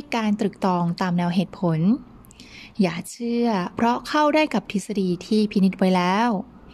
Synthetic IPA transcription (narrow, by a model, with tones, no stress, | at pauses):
kaː˧nt̪ɾɯ˨˩k̚t̪ɔː˧ŋt̪aː˧mnɛː˧wɦeː˨˩t̪̚pʰo˨˩˦n | jaː˨˩t͡ɕʰɯ˥˩ɐpʰɾɔ˦˥kʰa˥˩wdaː˥˩jka˨˩p̚t̪ʰi˦˥sa˧diː˧t̪ʰiː˥˩pʰi˧˦˥ni˦˥t̪̚wa˧˥jlɛː˦˥w